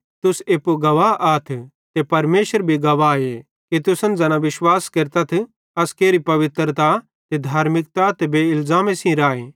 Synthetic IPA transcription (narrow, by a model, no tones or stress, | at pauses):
t̪ʊseːpoɡɐʋaʔaːt̪ʰ | t̪epɐɾmeːʃəɾbʱiɡɐʋae | kit̪ʊsə̃nd͡zɐnãʋɪʃwaːskeɾt̪ɐt̪ʰ | ɐskeːɾipɐʋɪt̪ɾt̪a | t̪ed̪ʱaːɾmɪkt̪at̪ebeːɪlzaːmẽsĩɾaːeː